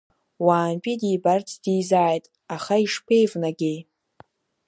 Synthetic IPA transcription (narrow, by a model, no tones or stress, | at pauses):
waːnpʼidijbart͡sʰd̥ijzaːjtʼ | aχaiʂpʰe̞jvnaɡʲej